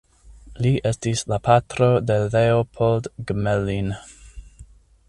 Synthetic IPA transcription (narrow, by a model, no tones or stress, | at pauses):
liʔe̞stislapʰatɾo̞de̞leopʰoldɡmelin